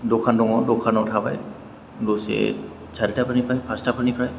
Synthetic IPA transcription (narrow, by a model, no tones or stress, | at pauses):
dokʰandɔŋɔdokʰanɔtʰaba̰j | dosɛ̰ | t͡ʃʰaditapʰanipajpʰastapʰanipɹaj